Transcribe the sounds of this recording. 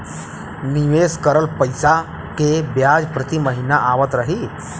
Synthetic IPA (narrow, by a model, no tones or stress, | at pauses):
niʋeːskəɾəlpəjsa | kebjaːd͡ʒpɾət̪iməɦinaʔaːʋət̪ɾəɦiː